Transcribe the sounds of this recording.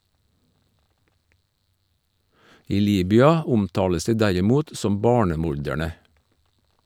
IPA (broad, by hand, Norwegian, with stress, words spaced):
ˈiː ˈliːbʏɑ ˈʊmˌtɑːləs ˈdiː ˈdæɾɪˌmuːt ˈsɔm ˈbɑːɳəˌmʊɾdæɳə